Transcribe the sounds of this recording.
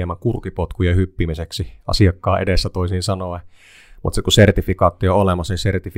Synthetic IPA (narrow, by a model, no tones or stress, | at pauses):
emːækurkipot̪kujehypːimiseksiɑ̰siɑkːɑːʔḛdesːæt̪oisinsɑnoe | mṵt̪sekusert̪ifikɑːt̪ːioolemɑsisert̪if